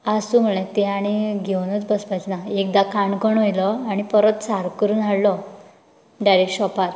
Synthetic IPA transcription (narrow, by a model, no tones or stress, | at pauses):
asuːm̤əɭẽt̪eaɽ̃iɡʱewnət͡sbəspajt͡snaek̚d̪akaɳɡəɳɦojlɔaɽ̃ipəɾət̪saɾkəɾuːnaɽlɔ | ɖajɾekʈɕɔpaɾ